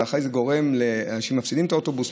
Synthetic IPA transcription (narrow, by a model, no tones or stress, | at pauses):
aχejzeɡo̞ʁe̞mleʃemafsidimet̪aoto̞bus